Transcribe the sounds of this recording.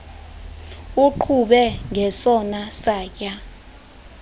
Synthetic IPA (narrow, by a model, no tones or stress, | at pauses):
uǃʰuɓɛŋʱɛsɔnasaːk̬ʼa